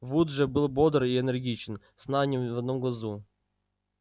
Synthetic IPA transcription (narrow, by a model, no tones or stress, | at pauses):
vud̪ʐɛbɨlˠbod̪ɾiɛnɛrɡʲit͡ɕɪn | snanʲimvɐd̪nomɡlˠɐzu